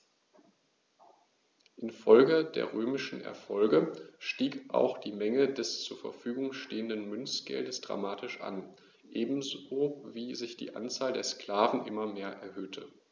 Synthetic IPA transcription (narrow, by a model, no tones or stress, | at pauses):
ʔɪnfɔlɡəd̥ḛːɐʁøːmɪʃn̩ʔɛ̰ɐfɔlɡəʃtiːkʔa̰ʊxd̥iːmɛŋədɛst͡suːɐfɛ̰ɐfyːɡʊŋʃteːəndənmʏnsɡ̥ɛ̰ldəsd̥ʁa̰maːtɪʃʔa̰n | ʔeːbm̩zoːviːzɪçd̥ḭːʔa̰nt͡saːldeːɐskl̥aːvn̩ʔɪmɐmeːɐʔɛɐɦøːtʰə